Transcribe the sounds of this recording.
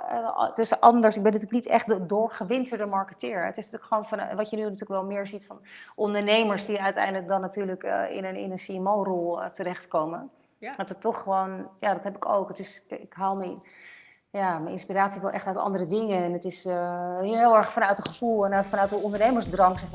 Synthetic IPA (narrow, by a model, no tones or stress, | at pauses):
tɪsʔɑndəɹsɪɡ̚bɛnətyːlək̚nitɛ̰χtdʊɹχəʋɪntəɹdəmɑɹkətɪːɹɛətɪsnatyːləkχʋownfɑnʋɑtjənynatyːɹləkʋɛlˠmɪːɹzitfɑnʔɔndəɹnejməɹsdiœɥtɛ̰jndələk̚dɑnːatyːɹləkɪ̰nənɪ̰nənsiɛmowrɔlˠtərɛχtkowmən | ɦɛtətɔχːəʋownjadɑtɦɛpɪ̥ko̰wkətɪsɪkɦaːlˠmɛ | jamɛjnɪ̰nspiraːtsiʋɛlˠʔɛχtœɥtɑ̰ndərədɪŋənɛnətɪs | ɦɪlˠɛɹχfɑnœɥtəχəfulˠɛnfɑnœɥtəɔndəɹnejməɹzsdrɑŋs